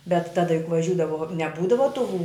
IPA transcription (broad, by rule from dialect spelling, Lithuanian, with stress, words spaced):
bʲɛt ˈtɑːdɐ jʊk ʋɐˈʒʲuːdɐʋoː nʲɛˈbuːdɐʋɐ tuː